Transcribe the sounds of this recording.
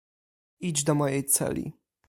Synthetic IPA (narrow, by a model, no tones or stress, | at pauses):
id͡ʑd̪ɔmɔjɛjt̪sɛ̰lʲḭ